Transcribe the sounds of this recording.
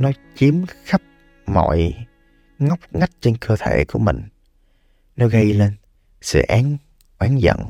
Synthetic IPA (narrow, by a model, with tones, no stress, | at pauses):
nɔ˨˦t͡ɕi˨˦əmxa˦˥p̚ | mɔ̰˧˨j | ŋa˦˥wk͡p̚ŋa˦˥jk̚t͡ɕe˧nkəː˧t̪ʰḛ˧˩ku˧˩əmï˨˩ŋ̟ | nɔ˨˦jɣə˧jle˧n | sɛ̰˧˩ʔaː˨˦ŋ | ʔwaː˨˦nzə̰˧˨ŋ